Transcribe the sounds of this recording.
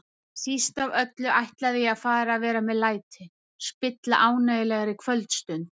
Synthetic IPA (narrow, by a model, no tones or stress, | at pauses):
sist̪avœt̪lʏʔajht̪laðɪaðfaːɾaðvɛːɾamɛðlaːjt̪ʰɪ | spɪt̪la̰ʔaːwnajɪlɛɣaɾɪkʰvœlt̪st̪ʏnt̪